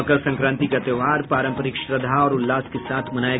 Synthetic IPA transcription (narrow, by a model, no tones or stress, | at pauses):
kəɾsɐ̃ŋkɾãːnt̪ikɐt̪eʋaːɾpaːɾə̃mpəɾɪkʃɾəd̪ʱaɔːɾʊlːaːskesaːt̪ʰmɐnaːje